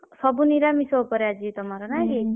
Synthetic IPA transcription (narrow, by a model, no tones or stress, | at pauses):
sɔbuniɾamisɔkɔɾead͡ʒit̪ɔmaɾɔnaɦi